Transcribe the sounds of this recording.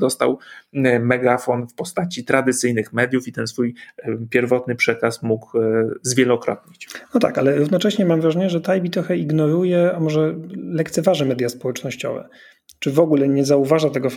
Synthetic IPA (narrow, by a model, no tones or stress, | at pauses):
d̪ɔst̪a̰wmɛɡafɔnfpɔst̪at͡ɕit̪ɾad̪ɘt̪sɘjnɘxmɛd̪jufit̪ɛnsfujpʲjɛɾvɔt̪nɘpʂɛkasmuɡzvʲjɛlɔkɾɔ̰t̪̚ɲit͡ɕnɔt̪a̰kalɛɾuvnɔt͡ʂɛɕɲɛmamvɾaʐɛɲɛʐɛt̪ajbʲit̪ɾɔxɛiɡnɔɾujɛamɔʐɛlɛkt̪sɛvaʐɛmɛd̪ʲjaspɔwɛt͡ʂnɔɕt͡ɕɔ̰vɛ̰ | t͡ʂɘvɔɡulɛɲɛzauvaʐat̪ɛɡɔ